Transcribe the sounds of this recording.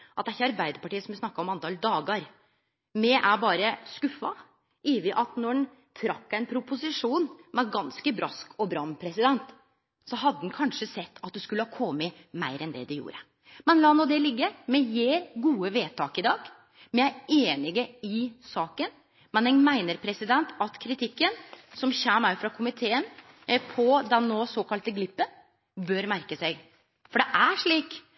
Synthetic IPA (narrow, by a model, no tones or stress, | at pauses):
ʔɑt̪d̪ɛæçːəɑɾbæɪd̪əɾpɑʈiːəsɔmʋɪsnɑkːɑɾɔmɑnt̪ʰɑːld̪ɑːɡəɾ | mɛʔæɾbɑːɾəskʉfːɑ | iːʋɪʔɑt̪nɔɖɛn | t̪ʰɾɑkːæɪnpʰɾʊpʊsɪʂuːnmɛɡɑnskəbɾɑskʰɔbɾɑnpʰɾɛsɪd̪ɛnt̪ | sɔɦɑd̪ːəd̪nkʰɑnʂəsɛt̪ːɑt̪̚d̪ʉskʉlːəhɑkʰɔmmɛ | mæɪɾɛnd̪ɛ̰d̪ɛjṵːɾə̰ | mɛnlɑːnɔd̪ɛlɪɡːəɾmɛjeːɾɡuːəʋeːt̪ʰɑːkɪd̪ɑːɡ̥ | mɛæeːnɪɡəɪsɑːkən | mɛnɛmæɪnəɾpʰɾɛsɪd̪ɛnt̪ʰɑt̪kʰɾɪt̪ʰɪkːənsɔmçæːmɑʉfɾɑkʰʊmɪt̪ʰeːən | pʰɔd̪ɛnːoːsoːkɑlt̪əɡlɪpːən | bøɾmæɾkəsæɪ | fɔɖɛʔæʂɭiːk